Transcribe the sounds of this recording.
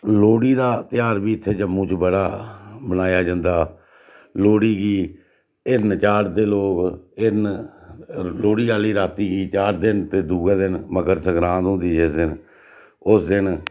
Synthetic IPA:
loːɽiːd̪aːt̪ɪjaːɾbiːɪt̪ʰːeːd͡ʒəmːũːt͡ʃbəɽaːbənaːjaːd͡ʒãːnd̪aː | loːɽiːɡiː | ɪnt͡ʃaːɾd̪eːloːkɪn | loːɽiːaːliːɾaːt̪iːɡiːt͡ʃaːɾd̪ɪnt̪eːd̪uːɡeːd̪ɪnməɡəɾsəɡɾãːnd̪ɦʊ̃nd̪iːd͡ʒesd̪ɪn | ʊsd̪ɪn

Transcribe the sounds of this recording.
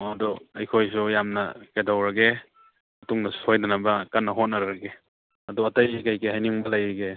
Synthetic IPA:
ɐdɔɐjkʰojs̬ujamnɐ̰kedawɾɐɡe | ɐtuŋnɐsu̥hojdanabɐkɐnːɐɦot̚nɐɾɾɐɡe | ɐdɔɐtɐjkajkehajniŋbɐlajɾɡe

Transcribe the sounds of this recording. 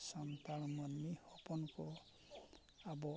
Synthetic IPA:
sant̪aɭmanːihɔpɔnkɔ | abɔ

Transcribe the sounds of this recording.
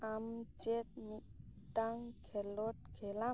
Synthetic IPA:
amt͡ʃet̪̚miʈaŋkʰɛlɔʈ̚kʰɛla

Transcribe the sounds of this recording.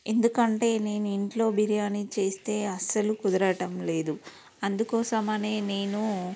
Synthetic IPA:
e̞nd̪ukɐɳʈe̞ːne̞ːnuiɳʈlo̞ːbiɾijaːnit͡ʃe̞ːst̪e̞ːɐsɐlukud̪ɐɾɐʈɐmle̞ːd̪u | ɐnd̪ukɔːsɐmɐne̞ːne̞ːnu

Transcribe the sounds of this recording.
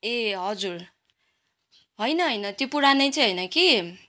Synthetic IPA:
eɦʌd͡zur | ɦʌjnʌɦʌjnʌt̪jopuɽanʌjt͡sʰʌj̃ɦʌjnʌki

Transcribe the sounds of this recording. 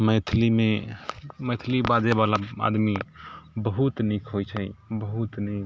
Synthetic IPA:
məjt̪ʰlime | məjt̪ʰlibad͡ʒebalaa̰d̪mibəɦut̪nikɦojt͡ʃʰəibəɦut̪nik

